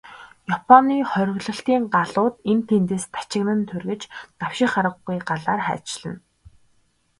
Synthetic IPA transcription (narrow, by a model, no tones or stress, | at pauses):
japʰɔniːχœɾ̆ʲɣɮə̆ɬt̪iːŋɢaɮʊːt̪ent̪ʰent̪eːst̪ʰḁt͡ɕɪ̆ɣnə̆nt̪ʰɵrɣɘ̆t͡ɕt̪aw̥ʃɪ̆χaɾə̆ɡːujɢaɮaːrχæ̰ːt͡ɕɮə̆n